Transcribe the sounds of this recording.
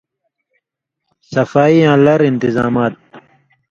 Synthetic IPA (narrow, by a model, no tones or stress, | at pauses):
sɐfaːiãːlɐɾint̪iza̰ːmaːt̪̚